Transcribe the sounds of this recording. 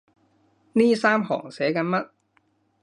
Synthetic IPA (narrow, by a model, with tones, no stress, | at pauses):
niː˥˩saː˥˩mhɔ̰ː˨˩ŋsɛ˨˩˦ka˧˥nma˦˥t̪̚